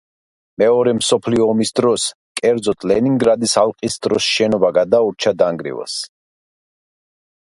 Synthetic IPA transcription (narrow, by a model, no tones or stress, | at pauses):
mɛɔɾɛmsɔpʰliɔːmisd̪ɾɔs | kʼɛɾd̪zɔt̪ʰlɛniŋɡɾad̪isalˠqʼisd̪ɾɔsʃɛnɔbaɡad̪auɾt͡ʃʰad̪aŋɡɾḭwa̰s